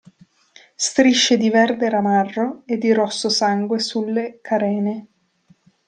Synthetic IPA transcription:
st̪ɾiʃːed̪ivɛrd̪eɾamarːoed̪ːiɾɔsːosaŋɡwesulːekʰaɾɛːne

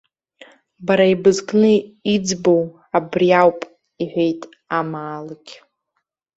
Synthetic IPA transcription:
baɾaibɨzkʼnɨid͡zbo̞w | abriawpʼ | iħʷejtʼ | amaːlaɡʲ

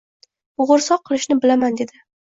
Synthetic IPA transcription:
ʊʁʊɾsɒqʰːɨlˠɪʃnɪbɪlamand̪e̞d̪ɪ

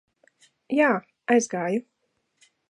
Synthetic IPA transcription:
jaː | ajzɡaːju

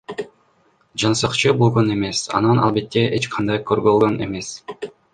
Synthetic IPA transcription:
d͡ʒɑnsɑqt͡ʃɯbolˠʁone̞me̞sɑ̰nɑnɑ̰lˠbe̞t̪ʰːeʔet͡ʃqʰɑnd̪ɑjkʰøɾɡølɡøne̞̰me̞s

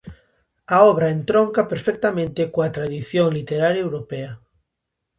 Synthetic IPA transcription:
aɔβ̞ɾaent̪ɾoŋkapeɾfek̚t̪amẽnt̪ekwat̪ɾaðiθjõŋlit̪eɾaɾjaewɾopea

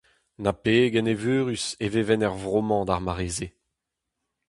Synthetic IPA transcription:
napeːɡɛnevøːʁyseveːvɛnɛʁvʁomɑ̃d̪aʁmaʁeːze

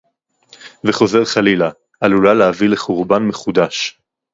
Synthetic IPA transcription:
veχo̞ze̞ʁχalila | alulaleavileχuʁbanmeχud̪aʃ

